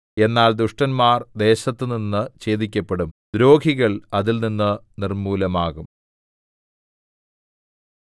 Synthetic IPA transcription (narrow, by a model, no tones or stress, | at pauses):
e̞nːaːld̪uʂʈɐnmaːrd̪e̞ːɕɐt̪ːɨninːɨt͡ɕe̞ːðikʲːɐpːe̞ɽumd̪ɾo̞ːɡʱiɣɐɭɐðilninːɨnirmuːlɐmaːɣum